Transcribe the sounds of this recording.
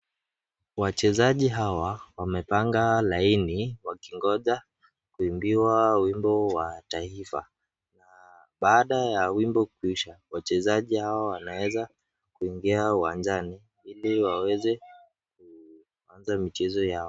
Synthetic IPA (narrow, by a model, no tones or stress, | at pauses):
wat͡ʃɛzaʄiɦawawamɛpaŋɡalainiwakiŋɡɔʄa | kuimbiwawimbɔwataifa̰ | na | ɓaːɗajawimbɔkuiʃawat͡ʃɛzaʄihawaawanawɛza | kuiŋɡiawand͡ʒani | iliwawɛzɛ | k̚u | anzamit͡ʃɛzɔjaɔ